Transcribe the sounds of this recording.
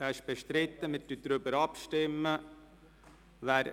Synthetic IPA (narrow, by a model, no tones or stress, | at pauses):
ɛʃb̥ɛʃtɾɪt̪ːəmɪt̪dyd̪̥ɾʏbəɾɑpʃtɪmːə | ʋæːɾ